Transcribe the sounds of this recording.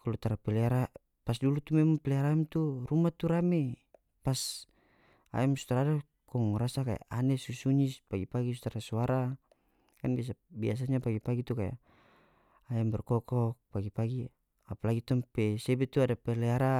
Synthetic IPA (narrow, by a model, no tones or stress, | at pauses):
kalut̪aɾapɛlɛaɾa | pas̬dulut̪umɛmɔmpɛlɛaɾaɛmt̪uɾumat̪uɾame | pas | a̰ɛmsu̥t̪aɾada | kɔŋɾasakaja̰ʔanɛsusuɲispaɡipaɡisut̪aɾasuaɾa | kanbias̬abias̬aɲapaɡipaɡit̪ukaja̰ | ajambɛrkɔkɔk̚paɡipaɡi | apalaɡit̪ɔmpɛsɛbɛt̪uadapɛlɛaɾa